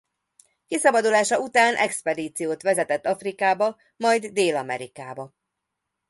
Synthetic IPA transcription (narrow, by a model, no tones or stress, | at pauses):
kisɒbɒd̪ulaːʃɒut̪aːnʔɛkspɛd̪iːt̪sijoːt̪ʋɛzɛt̪ɛt̪ːɒfrikaːbɒ | mɒjd̪ːeːlɒmɛ̰ɾikaːbɒ